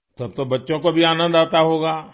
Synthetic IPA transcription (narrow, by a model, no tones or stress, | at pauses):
t̪ɐb̚t̪obɐtːʃõkobʱiaːnə̃nd̪aːt̪aɦoːɡaː